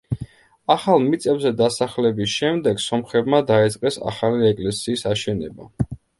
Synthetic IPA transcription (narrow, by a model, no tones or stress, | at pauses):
aχalˠmit̪sʼɛbzɛd̪asaχlɛbisʃɛmd̪ɛɡsɔmχɛbmad̪ait̪sʼqʼɛsa̰χaliɛkʼlɛsiːsaʃɛnɛba